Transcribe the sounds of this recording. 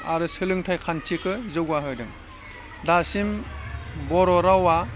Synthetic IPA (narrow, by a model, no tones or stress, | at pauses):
aɾɯsɯlɯŋtʰajkʰantʰikɯzɯɡaɦɯjdɯŋ | dasim | bɔɾɔɾawa